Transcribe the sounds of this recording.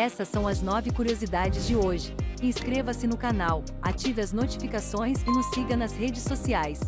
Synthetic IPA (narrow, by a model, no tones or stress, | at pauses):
ɛsɐsːɐ̃w̃ɐznɔvɪkuɾiozid̪ad͡ʒɪzd͡ʒɪoʒɪĩskɾevɐsɪnʊkanaw | a̰t͡ʃivɐznot͡ʃi̥fikasõj̃skɪnʊsːiɡɐnɐzhed͡ʒɪsːosiajs